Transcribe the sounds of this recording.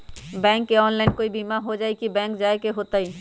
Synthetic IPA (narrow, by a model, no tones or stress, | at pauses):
bɛ̃ŋkeɔnlajnkoibimaɦod͡ʒajkibɛ̃ŋkd͡ʒaekeɦot̪aj